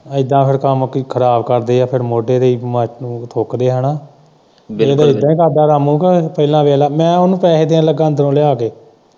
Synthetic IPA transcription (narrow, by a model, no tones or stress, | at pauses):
ɪd̪ːãːpʰɪɾkəmkːkʰəɾaːbkəɾd̪eːaːpʰɪɾmoːɖeːd̪eːiːmət͡ʃnũːt̪ʰoːkd̪eːɦənaː | eːd̪aːɪd̪ãːĩːkaːd̪aːɾamũːkapəɪlãːʋeːlaːmɛ̃ːonũːpɛːd̪eːãːləɡãːnd̪əɾõːlɪjaːkeː